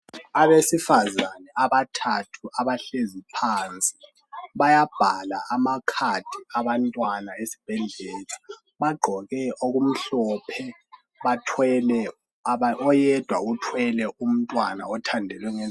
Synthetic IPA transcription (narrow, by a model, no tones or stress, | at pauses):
aβesifazanɛaβatʰatʰuaβaɬezipʰant͡sʼi̥ | βajab̥ʱala̰amakʰatʰiaβantʼwanaesi̥b̥ʱɛɮɛːla | βaɡ͡ǃʱɔɣɛʔoɣum̩ɬɔːpʰɛ | βatʰwɛlɛ | aɔjɛd̥ʱwaɣutʰwɛlɛʔum̩tʼwana̰ɔtʰandʱɛlwɛŋɛ